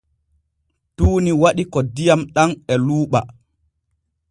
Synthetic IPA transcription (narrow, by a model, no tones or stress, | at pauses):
tuːniwaɗikɔdijamɗanɛluːɓa